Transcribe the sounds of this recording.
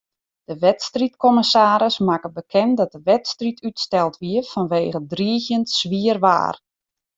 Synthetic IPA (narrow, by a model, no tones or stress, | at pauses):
d̥əʋɛtstritkɔməsaːɾəsmakəbəkʰɛndɔt̚dəʋɛtstritʰytstɛlˠtʋiəfɔnʋeːɣədriəɣjəntsʋiərʋa̰ːr